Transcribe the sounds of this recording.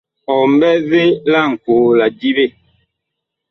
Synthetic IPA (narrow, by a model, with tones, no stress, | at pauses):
ɔ˨m˦bɛ˦ve˦la˦˨ŋ̩˨koː˨˦la˨di˦βe˦˨